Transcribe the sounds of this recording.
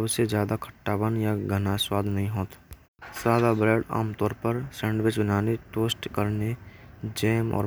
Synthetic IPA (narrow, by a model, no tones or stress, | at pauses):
əbsed͡ʒjaːd̪akʰə̥ʈːaːbənjaɡʱənaswaːd̪ʱnɐɦĩɦoːt̪ | saːd̪abɾeːɖa̰ːmt̪ɔːɾpəɾsɛ̃ːɳɖwɪt͡ʃbənaːneʈoːsʈkəɾned͡ʒeːmɔ̰ːɾ